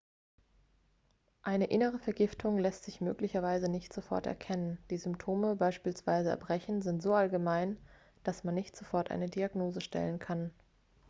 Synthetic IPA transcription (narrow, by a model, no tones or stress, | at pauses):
ʔaɪnəʔɪnəʁ̞əfɛɐɡɪftʰʊŋlɛstz̥ɪçmø̰ːklɪçɐvaɪzənɪçtz̥ofɔɐtɛ̰ɐkʰɛnənd̥iːzʏmptʰoːməbaɪʃpiːlsv̥a̰ɪzəɛ̰ɐbʁɛçn̩zɪntz̥oːalɡəmaɪn | d̥asmanːɪçtz̥ofɔɐtʔa̰ɪnədiaɡnoːzəʃtʰɛ̰lənkʰan